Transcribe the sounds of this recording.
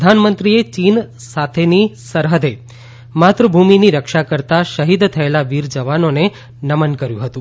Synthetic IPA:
d̪ʱanmənt̪ɾiet͡ʃin | sat̪ʰenisəɾɦəd̪ʱe | mat̪ɾəbʱuminiɾəkʃakəɾt̪aʃəɦid̪t̪ʰəelaʋiɾd͡ʒəʋanone | nəmənkəɾjũɦət̪ũ

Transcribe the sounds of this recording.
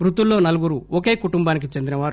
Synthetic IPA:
bɾut̪ulːo̞ːnɐluɡuɾuoke̞ːkuʈumbaːnik̬it͡ʃend̪inɐʋaːɾu

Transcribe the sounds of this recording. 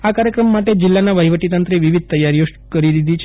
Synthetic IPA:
akaɾjəkɾəmːaʈed͡ʒɪlːanaʋəjʋəʈit̪ənt̪ɾeʋiʋid̪̚ʱt̪əjaɾjoʃ | kəɾid̪id̪ʱit͡ʃʰ

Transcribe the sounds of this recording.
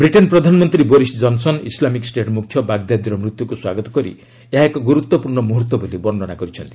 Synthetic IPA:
bɾiʈenpɾɔd̪ʱanmɔnt̪ɾiboɾisd͡ʒɔnsɔnislamiksʈeʈmukʰːjɔbaɡd̪jad̪iɾɔmɾut̪jukuswaɡɔt̪ɔ̥kɔɾḭ | eɦaekɔɡuɾut̪wɔpuɾɳɔmuɦut̪wɔbolibɔɳɖɔɽ̃akɔɾit͡ʃʰɔnt̪i̥

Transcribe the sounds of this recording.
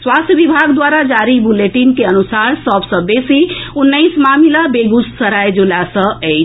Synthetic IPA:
swast̪ʰjəbibʱaɡd̪waɾad͡ʒaɾibuleʈinkeənusaɾsəbsə̃besiunːəjsmamilabeɡussəɾajd͡ʒulasə̃əjt͡ʃʰ

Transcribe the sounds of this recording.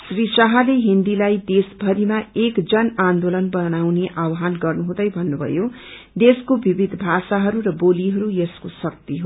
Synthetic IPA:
srisaɦaleɦind̪ilajd̪esbʱʌɾimaekd͡zʌnand̪olʌnbʌnawneʔawɦanɡʌrnuɦũd̪ʌjbʱʌnːubʱʌ̰jo | d̪eskobibid̪ʱbʱasaɦʌɾuɾʌboliɦʌɾujeskosʌk̚t̪iɦo

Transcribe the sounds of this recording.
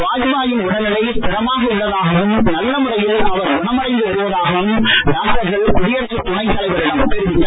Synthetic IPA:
ʋaːjɯmaːjɯmʊɽɐnɪlɐɪpɛɾɐmaːɣɐʊɭːɐðaːɣɐʋɯmnɐlːɐmɯrɐjɪlɐʋɐɾʊɳɐmɐɽɐɪnd̪ɯʊɾɯʋɐðaːɣɐʋɯmnaːʈɐɾɣɐɭkʊɽɪjɐɾt͡ʃːɐt̪ːʊɳɐɪt̪ːɐlɐɪʋɐɾɪɽɐmpɛɾɯʋɪt̪ːɐ

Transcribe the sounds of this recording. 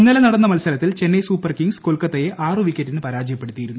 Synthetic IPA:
unːɐlɐnɐɽɐnːɐmɐlsɐlɐt̪ːilt͡ɕe̞nːejsuːpːɐrkiŋɡskolkɐt̪ːɐjeʔaːrɨʋikʲːɐtːinɨpɐɾaːd͡ʑɐjɐpːe̞ɽut̪ːijiɾunːu

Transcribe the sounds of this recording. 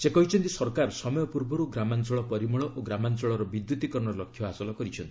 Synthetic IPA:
isekɔɦit͡ʃʰɔnt̪isɔɾkaɾsɔmɔjɔpuɾbɔɾuɡɾamant͡ʃɔɭɔpɔɾimɔɭɔʔoɡɾamant͡ʃɔɭɔɾɔbid̪jut̪ikɔɾɔɳɔlɔkʰːjɔasɔlɔkɔɾit͡ʃʰɔnt̪i

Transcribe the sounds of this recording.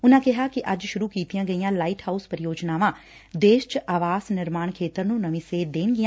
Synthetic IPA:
ʊnãːkɪɦaːkɪʔəd͡ʒʃʊɾuːkiːt̪ijãːɡəijãːlaːiʈhaːuspəɾɪjoːd͡ʒnaːʋãː | d̪eːʃt͡ʃaːʋaːsnɪɾmaːɳkʰeːt̪əɾnũːnəʋĩːseːd̪eːnɡɪãː

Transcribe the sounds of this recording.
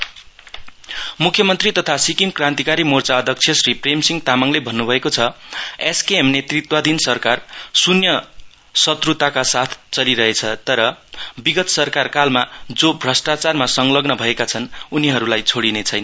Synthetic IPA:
mukʰjʌmʌnt̪rit̪ʌt̪ʰasikimkrãnt̪ikaɾimort͡saʌd̪ʱjʌk̚t͡sʰjʌsripremsiŋt̪amaŋlebʱʌnːubʱʌekot͡sʰʌeskeemnet̪rit̪wad̪insʌrkarsunjʌ | sʌt̪rut̪akasat̪ʰt͡sʌliɾʌɦet͡sʰʌt̪ʌɾʌbiɡʌt̪sʌrkarkalmad͡zobʱrʌsʈat͡sarmasʌŋlʌɡnʌbʱʌekat͡sʰʌnuniɦʌɾulajt͡sʰoɽinet͡sʰʌjnʌ

